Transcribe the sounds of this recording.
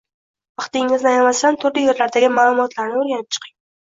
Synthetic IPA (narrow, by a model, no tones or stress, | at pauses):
vɑχt̪ɪŋːɪznajmast̪ant̪ʰʊɾlɪje̞ɾlaɾd̪aɡʲɪmaːlˠʊmɒt̪ʰlaɾnɪoɾɡʲanɪp̚t͡ʃʰɨ̥qʰɪŋ